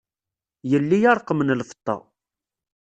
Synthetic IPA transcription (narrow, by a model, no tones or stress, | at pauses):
jəlːijɑɾˤqːəmnlfə̥t̪ˤːɑ̰